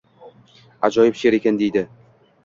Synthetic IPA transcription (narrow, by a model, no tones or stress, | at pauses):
a̰d͡ʒɒjɪpʃe̞ɾekʲand̪e̞jd̪ɪ